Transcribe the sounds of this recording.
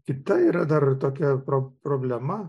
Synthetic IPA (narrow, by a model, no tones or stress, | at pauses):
kʲɪt̪ɐiːɾɐd̪ɐrt̪oːkʲɛpɾopɾoːbʲlʲɛmɐ